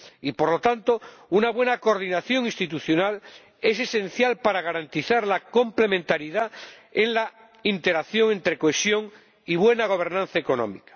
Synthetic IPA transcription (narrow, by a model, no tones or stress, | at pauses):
ipoɾlo̞t̪ant̪ounaβwe̞nakoɾðinaθjo̞ŋĩst̪it̪uθjo̞nal | e̞se̞sẽ̞n̟θjalpaɾaɣ̞aɾant̪iθaɾlako̞mple̞mẽnt̪aɾiðaenla | int̪e̞ɾaθjo̞ŋent̪ɾe̞koesjo̞ŋ | iβwe̞naɣ̞o̞β̞e̞ɾnãn̟θaeko̞no̰mikḁ